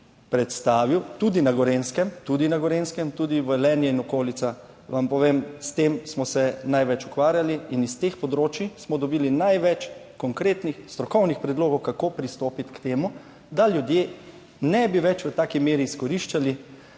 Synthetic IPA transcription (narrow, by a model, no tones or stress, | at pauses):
pɾɛt̪st̪aːʋiwt̪ud̪inaɡɔɾenskɛmt̪ud̪inaɡɔɾenskɛmt̪uːd̪iʋəlɛːnjɛinɔkoːlit̪sa | ʋampɔʋeːmst̪emsmɔsɛnajʋɛt͡ʃu̥kʋaːɾjaliinist̪eːxpɔd̪ɾoːt͡ʃismɔd̪ɔbiːlinajʋɛt͡ʃ | kɔŋkɾeːt̪nixst̪ɾɔkɔwnixpɾɛd̪loːɡɔwkakoːpɾist̪oːpit̪kt̪eːmu | d̪aljud̪je | nɛbiʋɛt͡ʃʋət̪aːkimeːɾiːskɔɾiʃt͡ʃali